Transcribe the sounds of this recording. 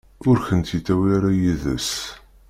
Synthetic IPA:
ʊɾçənt̪it̪ːæwiɾajiðə̰s

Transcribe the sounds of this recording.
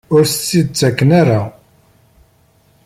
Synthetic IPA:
ʊɾθət͡sːid̪̚t͡sːækːənaɾa

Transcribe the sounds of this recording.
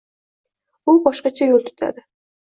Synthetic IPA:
ʊlˠbɒʃqɑt͡ʃʰajolˠt̪ʰy̥t̪ʰa̰d̪ɪ

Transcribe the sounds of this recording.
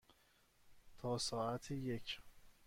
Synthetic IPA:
t̪ʰɒːsɒːʔæt̪ʰejecʰ

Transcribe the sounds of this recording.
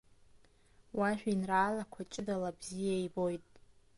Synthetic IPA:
waʃᶣinraːlakʷʰat͡ʃʼɪdalabzijaibo̞jtʼ

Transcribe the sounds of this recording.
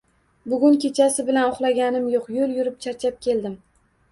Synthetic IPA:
bʊɡʲʊŋkʲʰe̞t͡ʃʰasɪbɪlanʊχlˠaɡʲanɪmjoqjoljʊɾɪp̚t͡ʃʰat͡ʃʰap̚kʲʰe̞ld̪ɪm

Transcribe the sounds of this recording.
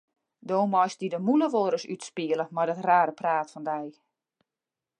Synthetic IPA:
doːmɔjsdidəmuləʋoːɾəsytspiələmadɔtraːɾəpraːtfɔndɛj

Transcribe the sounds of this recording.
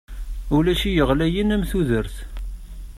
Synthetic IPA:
ulæʃijəʁlæjinæmθuðəɾθ

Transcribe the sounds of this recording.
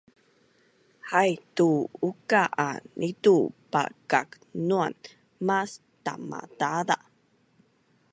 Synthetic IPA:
hajtuukaʔanʔitupa̰kak | nuan | mas | ta̰ma̰tada

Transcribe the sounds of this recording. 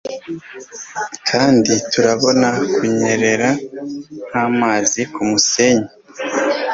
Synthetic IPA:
kʰaːndituɾaβo̞nakuɲeɾe̞ɾa | n̥haːmaːzikumuse̞ɲe

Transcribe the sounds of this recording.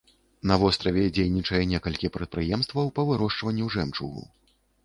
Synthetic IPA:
nɐvɔst̪ɾɐvʲɛd͡zʲejnʲit͡ʂɐjɛnʲɛkɐlʲkʲipɾɛt̪̚pɾɨjɛmst̪vɐwpɐvɨɾɔʂt͡ʂvɐnʲːuʐɛmt͡ʂṵɣṵ

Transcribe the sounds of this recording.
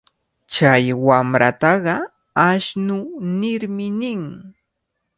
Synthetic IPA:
t͡ʃajwamɾa̰t̪ɑɢɑ | aʃnʊnɪɾmɪnɪŋ

